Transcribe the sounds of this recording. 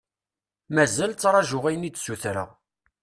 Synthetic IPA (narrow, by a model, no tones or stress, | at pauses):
mæzælt͡sːɾˤɑʒʊʁæjənit͡sːsuθɾə̰ʁ